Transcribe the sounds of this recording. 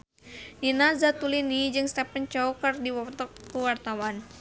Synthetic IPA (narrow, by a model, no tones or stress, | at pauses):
dinazat̪ulinid͡ʒɨŋst̪ɛpənt͡ʃɔwkərdiwɔt̪ɔkːuwart̪awan